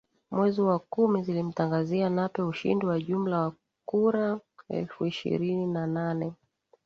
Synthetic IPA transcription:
mwɛziwakumizilim̩taŋɡazianapɛuʃḭndiwaʄum̩lawa | kuɾaɛ̰lfuiʃḭɾininananɛ

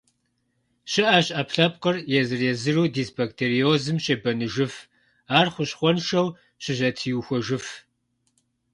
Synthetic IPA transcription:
ɕɪʔaːɕʼʔɐpɬɐp̚qɐrjɛzɨrɛzɨruːdiːsbɐktʰeːrioːzɨmɕʼebɐnɨʒɨf | aːrχʷʊɕχʷɔnʃɐw | ɕɪʑɐtʰiːuxʷɔʒɨf

